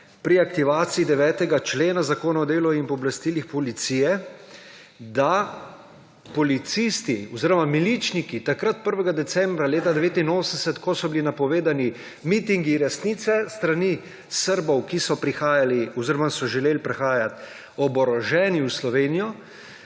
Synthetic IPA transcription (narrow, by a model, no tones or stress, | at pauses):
pɾiakt̪iʋaːt̪siːd̪ɛʋɛːt̪ɛɡat͡ʃleːnazakoːnaɔd̪eːluinpɔblast̪iːlixpɔlit̪siːjɛ | d̪a | pɔlit̪sist̪iɔziɾɔmamilit͡ʃnikit̪akɾat̪̚pəɾʋɛɡad̪ɛsɛmbɾaleːt̪ad̪ɛʋeːt̪inoːsənsɛt̪kɔsɔbilinapɔʋeːd̪ani | mit̪iŋɡiɾɛsniːt̪sɛst̪ɾani | səɾbɔwkisɔpɾixaːjaliɔziɾɔmasɔʒɛleːlpɾɛxaːjat̪ | ɔbɔɾɔʒɛːniuwslɔʋeːnijɔ